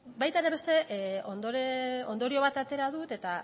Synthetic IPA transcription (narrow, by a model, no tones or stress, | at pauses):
bajt̪aeɾe̞βe̞st̪e̞ʔo̞nd̪oɾo̞nd̪o̞ɾio̞βat̪at̪e̞ɾaðut̪e̞t̪a